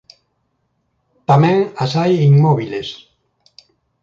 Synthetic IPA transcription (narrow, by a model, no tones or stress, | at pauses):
t̪amẽŋasajiŋmɔβiles